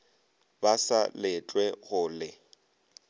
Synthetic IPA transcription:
basalɪt͡ɬʼwɛɣʊːlɪ

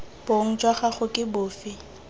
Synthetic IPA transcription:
b̥oŋ̩d͡ʒwaχaχʊkʼɪbʊːfɪ

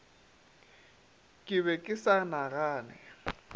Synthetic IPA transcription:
kʼɪβɛkʼɪsanaɣaːnɛ

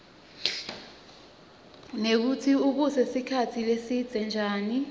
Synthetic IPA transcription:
nek̬utʰiuɓ̬usɛsikʰatʰilesid̥d͡z̥ʱɛnd͡ʒʱaːni

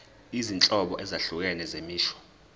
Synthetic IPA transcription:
izint͡ɬʼɔɓɔʔɛzaɬuk̬ɛnɛzemiːʃɔ̥

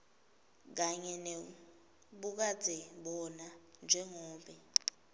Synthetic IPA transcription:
k̬aɲɛnɛ | ɓuk̬ḁd͡zʱɛɓɔnand͡ʒʱɛŋɔːɓɛ

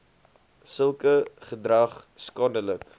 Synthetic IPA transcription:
səlˠkəχədrɐχskɑːndələk

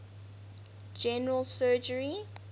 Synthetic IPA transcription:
d͡ʒɛnəɹəlˠsɜːd͡ʒəɹi

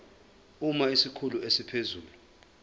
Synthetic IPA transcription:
umaisikʰuluesipʰezuːlu

